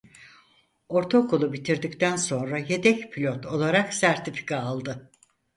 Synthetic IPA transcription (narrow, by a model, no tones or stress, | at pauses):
o̞ɾt̪ʰokʰolˠubit̪ʰiɾd̪ict̪ʰænso̞nɾaje̞d̪ɛcpʰilʲot̪ʰo̞lˠaɾaksæɾt̪ʰifi̥kʰaːlˠd̪ɯ